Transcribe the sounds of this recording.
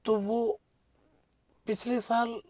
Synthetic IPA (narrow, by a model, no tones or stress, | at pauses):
t̪ubu | pit͡ʃʰlesal